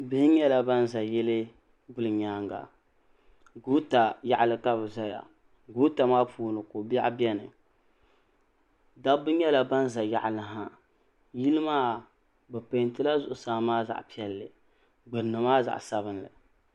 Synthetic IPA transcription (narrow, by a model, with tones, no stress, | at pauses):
bɨ˦hɲɛ˦la˨ba˦n˦za˨jɛ˦lɨ˦ | bʊ˦lɨ˨ɲaː˦ŋɡa̰˨ | ɡu˦ta˨ja̰˦ʔlɨ˦ka˦bɨ˨za˦ja̰˨ | ɡu˦ta˨maː˦pʰuː˦nɨ˨ko˨ba˦bɛ˦nɨ̰˨ | da˦bɨ˦ɲɛ˦la˨ba˦n˦za˨ja̰˦ʔlɨ˨ɦa˦ | ji˦lɨ˦maː˦ | bɨ˨pe˨ntɨ˦la˦zʊ˨ʔʊ˨saː˦maː˦za̰˨ʔpi˦ɛ˨lːɨ˨ | ɡ͡bɨ˨ɾnːɨ˨maː˦za̰˨ʔsa˦βɨ˦nlɨ̰˨